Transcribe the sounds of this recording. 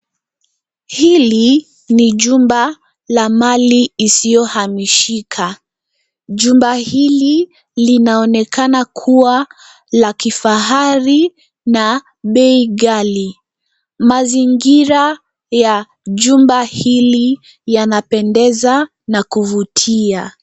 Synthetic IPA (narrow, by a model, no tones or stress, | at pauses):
hili | niʄumba | lamaliːsijɔhamiʃikʰa | ʄumbahili | linaɔnɛkʰanakʰuwa | lakifaɦaɾi | na | ɓɛiɠali | maziŋɡiɾa | ja | ʄumbahili | janapɛndɛza | nakuvutʰia